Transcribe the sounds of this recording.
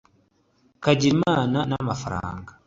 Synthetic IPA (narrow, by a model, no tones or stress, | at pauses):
kaɟiɾimaːnanamafaɾa̰ːŋɡa